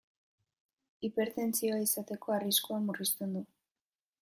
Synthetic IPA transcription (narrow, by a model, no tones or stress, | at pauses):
ipe̞ɾt̪e̞nt͡sio̞aisat̪e̞ko̞ariskuamurist̪e̞nd̪u